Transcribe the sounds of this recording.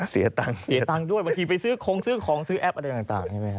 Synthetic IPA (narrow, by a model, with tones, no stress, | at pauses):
si˨˩˦ɐt̪a˧ŋsi˨˦t̪a˧ŋdu˥˩əjba˧ŋt̪ʰiː˧pa˧jsɯː˦˥kʰo˧˥ŋsɯː˦˥˩kʰɔː˩˦ŋsɯː˦˥ʔɛ˦˥p̚ʔa˧ɾa˧jt̪aː˨˩t̪a̰ː˨˩ŋkʰa˥˩ma˦˥˩kʰa˦